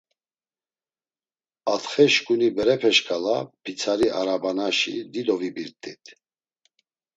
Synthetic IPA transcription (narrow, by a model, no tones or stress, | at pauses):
at̪χɛʃkʼunibɛɾɛpʰɛʃkʼalapʰit͡sʰaɾiaɾabanaʃḭd̪id̪ɔvibiɾt̪ʼit̪ʰ